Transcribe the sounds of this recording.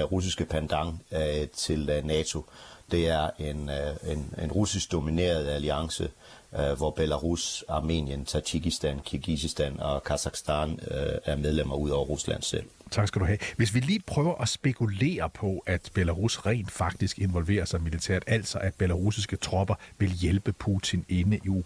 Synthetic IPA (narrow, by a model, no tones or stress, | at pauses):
ʁus̬isɡ̥əpʰænd̥ɑ̈ŋt͡sʰe̝lnɛːt͡sʰo̝d̥e̝æɐe̝nene̝nʁusisɡ̥̚d̥o̝mine̝̰ːɐð̞ˠæliɑ̈ŋsə | ʋɒb̥elæʁusɑ̈ːmḛːnjənt͡sʰɑɕiɡ̥isd̥ænkʰiɐɡ̥isisd̥ænɒkʰæsɑ̈ɡ̥sd̥ɑnæɐmeð̞ˠlem̰ɐuðˠɒʊ̰ɐʁuslæ̰n̰sel̰t͡sʰɑ̈ɡ̥sɡ̥æd̥uɦɛʋe̝s̬ʋiliːpʰʁœːʊɐʔɒ̽sb̥e̝kʰule̝̰ːɐpʰɒ̽ʔæd̥b̥e̝læʁusʁɛ̰ːnd̥fɑ̈ɡ̥̚d̥isɡ̥e̝nʋɒ̽lʋe̝̰ːɐsɑ̈ɪmilit͡sʰḛɐ̰d̥æl̰d̥sɒ̽ʔæd̥̚b̥elæʁusisɡ̥ət͡sʰʁɒ̽b̥ɐʋe̝ljelb̥əpʰuːt͡sʰine̝nəʔi